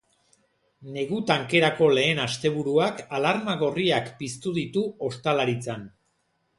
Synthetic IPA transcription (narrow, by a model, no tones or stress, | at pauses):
ne̞ɣut̪aŋke̞ɾako̞le̞ːnast̪e̞β̞uɾuakalaɾmaɣo̞riakpist̪uðit̪uo̞st̪alaɾit͡san